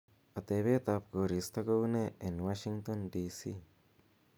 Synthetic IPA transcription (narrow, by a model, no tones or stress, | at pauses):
at̪eβet̪ap̚koɾist̪akowneenwaʃiŋt̪onɖiːsi